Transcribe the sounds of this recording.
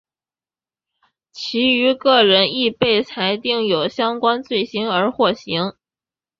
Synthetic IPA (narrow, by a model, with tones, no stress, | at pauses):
t͡ɕʰi˧˥y˧˥kɤ˥˩ɻə˧˥ni˥˧pe˥˩ɪt͡sʰa˧˥ɪt̪i˥˩ŋjo˨˩ʊɕjɑ˥ŋkwa˥nt͡swe˥˩ɪɕi˥nə˞˧˥xwɔ˥˩ɕi˧˥ŋ